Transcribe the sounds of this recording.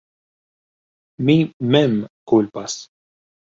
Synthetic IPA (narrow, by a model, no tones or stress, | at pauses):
mimɛmkulpas